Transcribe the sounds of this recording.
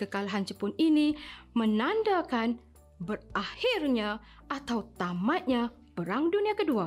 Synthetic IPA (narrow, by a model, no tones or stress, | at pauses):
kəkalaɦant͡ʃəpʊninimənandakan | bərahirɲã | ʔat̪awt̪amat̪̚ɲa | pəɾaŋduniakədua